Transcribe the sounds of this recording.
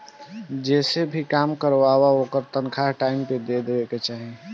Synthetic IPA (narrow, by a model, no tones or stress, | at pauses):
d͡ʒesebʱikamkəɾʋabaokəɾt̪ənkʰaɦʈaimped̪ed̪ebeket͡ʃaɦi